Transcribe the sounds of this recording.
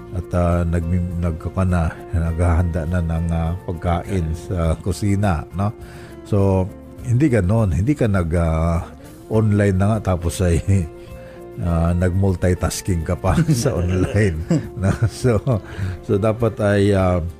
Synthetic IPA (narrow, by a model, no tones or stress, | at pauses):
ʔɐt̪anɐɡ̚nɐɡ̚kɐkɐna | nɐɡhahɐnd̪aʔnanɐŋapɐɡ̚kaːʔɪnsɐkʊsiːnano | so̞ | hɪnd̪ɪɡɐno̞nhɪnd̪ikanɐɡa | ʔonlajnːɐŋaʔt̪aːposaj | anɐɡ̚mʊlt̪ajt̪askɪŋkɐpasɐʔonlajnːososod̪aːpat̪ɐja